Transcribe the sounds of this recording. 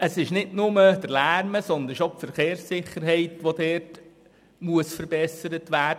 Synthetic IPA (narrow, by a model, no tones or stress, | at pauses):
əsɪʃnɪdnʊməd̥̪əɾlæːɾməsɔnd̪əɾɪʃopfəɾχeːɾsɪχːəɾɦɛɪtʋod̪ɛːt | muəsfəɾb̥ɛsəɾətʋæːd